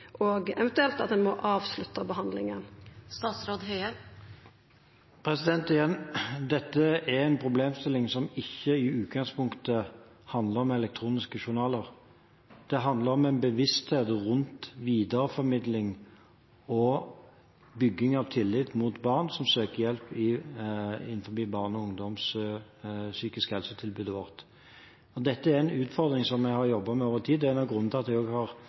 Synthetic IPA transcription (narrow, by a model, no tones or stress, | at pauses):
ʔoɡɛʋɛnt̪ʉɛlt̪ɑt̪̚d̪ɛnmɔʔɑːʋslʉt̪ːɑbəɦɑnd̪lɪ̰ŋənst̪ɑːt̪sɾoːd̪ɦœʏə | pʰɾɛsɪd̪ɛnt̪ɪjɛnd̪ɛt̪ːəæʁɛɪnpʰɾʊbleːmst̪ɪlːɪŋsɔmɪçːəɪʉːt̪ɡɑŋspʊŋkt̪ə | hɑnd̪ləʁɔmɛlɛk̚t̪ʰɾuːnɪskəʃʊʁnɑːləʁ | d̪̥ɛɦɑnd̪ləɾɔmɛnbəʋɪst̪heːt̪ʁʉnt̪ʋiːd̪əɾəfɔɾmɪd̪lɪŋ | ɔ | bʏɡːɪŋɑʋt̪ʰɪlːɪt̪mut̪bɑːʁnsɔmsøːkəjɛlpːɪ | ɪn̩ːfɔbiːbɑːʁnɔʊŋd̪ɔms | syːkɪskhɛlsət̪ʰɪlbʉːd̪əʋɔʁt̪ | ɔd̪ɛt̪ːəæɾɛnʉːt̪fɔʁd̪ɾɪŋsɔmːɛhɑɾjɔbːɑmɛoːʋəʁt̪ʰiːd̪ɛæɛnɑʋɡʁʉnːt̪ʰlɑt̪d̪ɛoːɡhɑʁ